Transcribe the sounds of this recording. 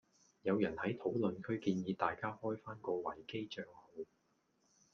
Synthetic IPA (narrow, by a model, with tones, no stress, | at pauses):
jɐ˨˧wjɐ˨˩nhɐ˨˥jt̪ʰo˨˥wlɵ˨nkʰɵ˨˧˥ɥkiː˧njiː˨˧t̪aː˨jkaː˥hɔː˥jfaː˥nkɔː˧wɐ˨˩jke˥jt͡ʃœː˧ŋho˨˧w